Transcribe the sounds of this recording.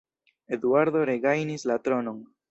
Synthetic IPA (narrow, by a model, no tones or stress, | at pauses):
ed̪uaɾdo̞ɾeɡajnislat̪ɾonoŋ